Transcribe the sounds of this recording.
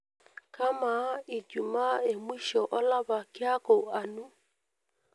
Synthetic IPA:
kʰa˦ma˨i˨d͡ʒu˨ma˦e˨mwi˦ʃɔ˨ʔɔ˦la˦βa˨kɪ˦a˦kɔ˨a˨nu˦

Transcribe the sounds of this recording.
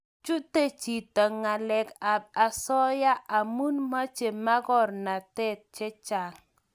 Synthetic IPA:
t͡ʃu˦te˦t͡ʃi˨ta˨ŋa˨lɛ˨ka˨b̚a˨sɔ˦ja˦ʔa˨mu˦nma˦t͡ʃe˨ma˦ɡɔ˦ɾna˨tɛ˦t̚t͡ʃɛ˦t͡ʃa˨ŋ

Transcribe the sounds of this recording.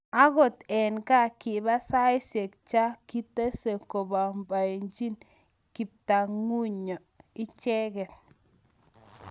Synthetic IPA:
a˦ɡo˦˨t̪e˨nka˦ki˨ba˦sa˦i˦se˨kt͡ʃa˦ki˦t̪e˦se˨ko˨ba˨mba˨jnd͡ʒi˦n | ki˨p̚t̪a˨ŋu˦ɲo˨ | i˦t͡ʃe˦ɡe˨t̪̚

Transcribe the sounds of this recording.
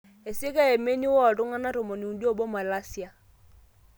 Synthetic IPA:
e˨se˦ka˦e˨me˦ni˦wɔ˦˨to˦ŋa˦na˦tɔ˨mɔ˨ni˨u˨di˦ɔ˦˨bɔ˦ma˨la˦si˦˨a˨

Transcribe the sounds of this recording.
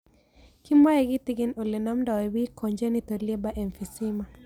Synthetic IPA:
ki˦mwa˦jɛ˨ɡi˦ti˦ɡi˦no˨le˨na˦mnda˨we˨wi˦kʰo˨ɲd͡ʒe˦ni˦t̪o˨lie˦ba˦ʔe˨nfi˨si˦ma˨

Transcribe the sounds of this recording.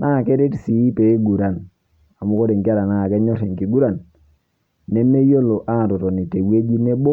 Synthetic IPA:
na˦˨kɛ˦ɾe˦tsi˨˦pe˨i˦ɡu˨ɾa˨n | a˨mu˦ko˦de˨ŋki˦a˦ɾa˨na˦˨kɛ˦ɲɔ˦ɾe˨ŋki˨ɡu˦ɾa˨nː | e˦me˦jo˦lo˨ʔa˦˨tɔ˨tɔ˨ni˨te˨we˦d͡ʒi˦ne˦bo˦

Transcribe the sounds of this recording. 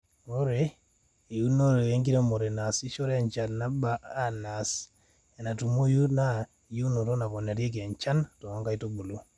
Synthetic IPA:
o˦ɾeː˨ | ju˦no˦ɾe˨e˦ŋɡi˦ɾe˦mo˨ɾɛ˨na˨si˦ʃo˦ɾɛ˦a˦˨ɲt͡ʃa˨lna˦baː˨˦na˨s | ɛ˨na˨tu˨mo˦ju˦na˦ | ju˦no˨to˦na˨kɔ˨na˨ɾi˦e˦k̬ɛ˨ɲt͡ʃa˦ntɔ˨a˦ŋɡa˦i˦to˦ɡ͡bo˨lo˦

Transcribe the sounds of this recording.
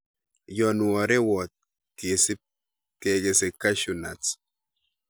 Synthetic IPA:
jɔ˨nu˨wɔ˨ɾɛ˦wɔ˨t̪̚ | ke˨si˦p̚ | ke˨ke˨se˨kːa˦ʃu˨na̰˨t͡s

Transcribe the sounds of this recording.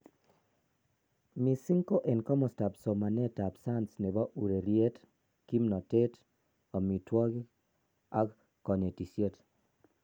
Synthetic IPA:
mi˨si˦ŋko˦ʔe˨nkɔ˦mɔ˨sta˨bso˨ma˨ne˦ta˨bsa˦nsne˨ba˦ʔu˨ɾe˨ɾje˦t | ki˦mnɔ˨te˦t | ɔ˨mi˨twɔ˦ɡi˦ | a˦k | kɔ˨ne˨ti˨sje˦t

